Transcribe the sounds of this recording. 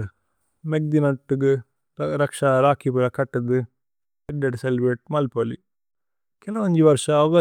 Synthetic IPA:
mɛk̚d̪inɐʈːɯkːɯ | ɾɐkʂaɾaːkipɯlɐkɐʈːɐðɯ | ɛɡ̚ɖɐʈselʋeːʈ̚mɐlpoli | kɛlɐʋɐɲd͡ʒɯʋɐɾʂɐ̃ːʋɐ

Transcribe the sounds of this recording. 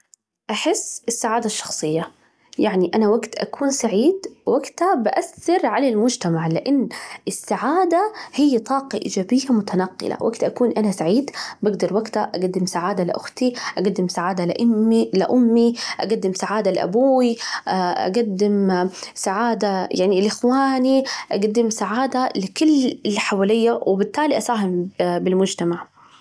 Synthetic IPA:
ʔaħɪsːʔɪsːaʕaːd̪aʃːɑ̥xsˤɨjːa | jaʕniʔanawaɡt̪ʔa̰kuːnsaʕiːd̪waɡt̪abɪʔaθːɑɾʕalalmʊd͡ʒt̪amaʕlɪʔɪnːʔɪsːaʕaːd̪ahɪjːat̪ˤɑːqɑʔḭːd͡ʒaːbɪjːamʊt̪anɑqːɪ̰la̰wʔaɡt̪ʔakuːnʔanasaʕiːd̪baɡd̪ɑɾˤwaɡt̪aʔaɡad̪ːɪmsaʕaːd̪alɪ̰ʔʊxt̪iʔaɡad̪ːɪmsaʕaːd̪alɪ̰ʔʊmːilɪ̰ʔʊmːiʔaɡad̪ːɪmsaʕaːd̪alɪʔa̰buːwiʔʔa̰ɡad̪ːɪmsaʕaːd̪ajaʕnilʔɪxwaːniʔaɡad̪ːɪmsaʕaːd̪alɪkʊlːɪlħawaːlɪjːawɪbɪt̪ːaːliʔasaːɦɪmbɪlmʊd͡ʒt̪amaʕ

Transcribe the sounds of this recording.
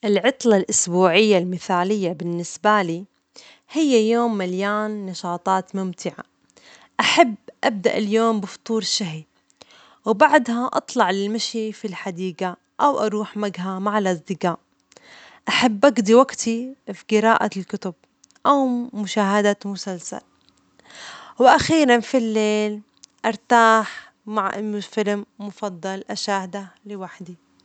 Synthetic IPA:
ʔɪlʕɑt̪ˤlɑlʔʊsbuːʕɪjːalmɪθaːlɪjːabɪnːɪsbaliː | hɪjːajoːmːaljaːnːɑʃɑːt̪ˤɑːt̪mʊmt̪ɪʕa̰ | ʔaħabːʔab̚d̪a̰ʔɪljoːmbɪft̪ˤuːɾʃːaɦi | wbaʕd̪haʔɑ̰t̪ˤlɑʕlɪlmaʃifilħad̪iːɡa | ʔawʔɑɾˤuːħmaɡɦamaʕalʔɑzˤd̪ɪɡaːʔ | ʔaħabːʔaɡd̪iwaɡt̪ʰifiɡɪɾaːʔalkʊt̪ʊb̚ | ʔawmʊʃaːɦad̪amʊsalsa̰l | wɪʔaxiːɾanfilːeːl | ʔɑɾˤt̪aːħ | maʕfɪlmːʊfɑd̪ˤːɑlʔaʃaːhd̪alɪwaħd̪i

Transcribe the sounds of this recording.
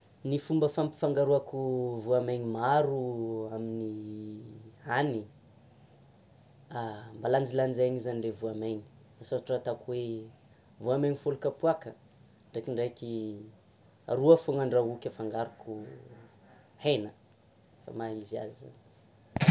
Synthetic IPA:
nifumbəfampi̥faŋɡaɾuakuvuameɲimaɾuamini | ani | ambaland͡zilanizaɲizaniɖ͡ʐevuameɲi̥asaʈ͡ʂat̪akuwe | vuameɲifolukapuakə | ɳɖ͡ʐekiɳɖ͡ʐeki | a̰ɾuəfoŋaɳɖ͡ʐaukʲəfaŋɡaɾuku | henə | fa̰maizia̰ziza̰n

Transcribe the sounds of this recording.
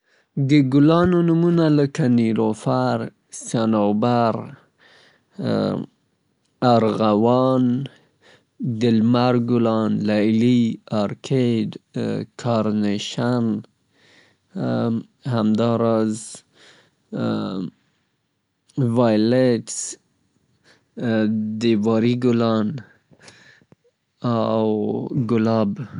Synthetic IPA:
d̪əɡʊlɑnonumunaləkaniɾofaɾ | sjanobaɾ | aɾɣawɑn | d̪ɪlmaɾɡʊlɑnlajliɑɾkʰedkʰɑɾneʃan | hamd̪ɑɾɑz | vajleʈs | d̪ivɑɾiɡʊlɑn | awɡʊlɑb

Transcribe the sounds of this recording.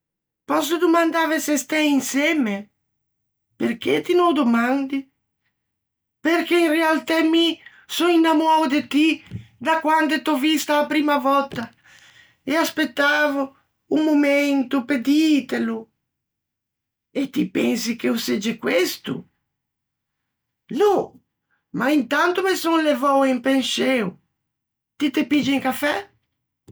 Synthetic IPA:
pɔs̬od̪omand̪avesest̪ɛjinsɛme | perk̟et̪inowd̪omãnd̪i | perk̟einrealt̪ɛmi | sɔinːamuawd̪et̪id̪akwand̪et̪ɔvist̪aapɾiːmavɔt̪ːa | easpet̪ːaːvo | umoment̪uped̪it̪elʊ | et̪ipɛnsikeused͡ʒɪkwest̪ṵ | nɔ | maint̪ant̪ʊmesonlevɔwimpenʃɛw | t̪it̪epid͡ʒiiŋkafɛ

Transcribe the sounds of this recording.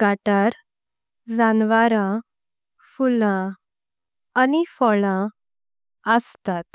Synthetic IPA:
ɡaʈaɾ | d͡zanʋaɾã | fulã | anifɔɭã | əst̪at̪

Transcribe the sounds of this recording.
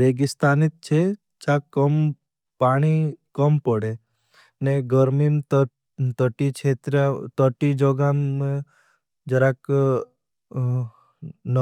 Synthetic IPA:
ɾeːɡist̪aːnit̪̚t͡ʃʰe | t͡ʃakəm | paːɽ̃ikəmpɔɽe | neɡəɾmimt̪ | t̪əʈit͡ʃʰet̪ɾat̪əʈid͡ʒɔɡam | d͡ʒəɾak | n

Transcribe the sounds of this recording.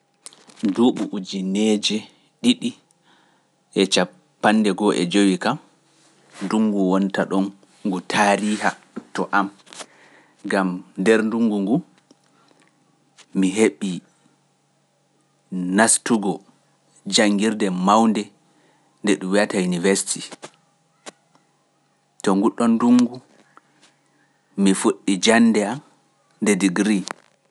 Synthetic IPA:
duɓuʔud͡ʒinɛd͡ʒɛ | ɗiɗi | ʔɛt͡ʃa | pːanːdɛɡɔʔɛ̰d͡ʒowikam | nduŋɡuwɔntaɗɔn | ɡutʰaːɾiːha | tɔʔam | ɡamndɛɾnduŋɡuŋɡu | miɦeɓi | nastuɡɔ | d͡ʒaŋɡiɾdɛmawndɛ | ndɛɗumwiatajunivɛsi̥ti | tɔŋɡuɗɔnduŋɡu | mifuɗːid͡ʒanːdɛam | ndɛdiɡɾi

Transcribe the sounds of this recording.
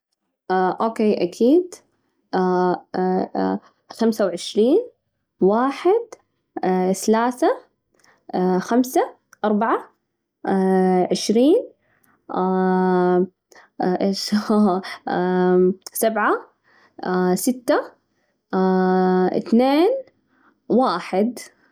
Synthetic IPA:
aʔokeːʔakʰiːd̪ | xamsawʕɪʃɾiːn | waːħɪd̪ | θalaːθa | xamsa | ʔɑɾˤbaʕa | ʕɪʃɾiːn | ʔeːʃ | sabʕa | sɪt̪ːa | ɪ̰θneːn | waːħɪd̪

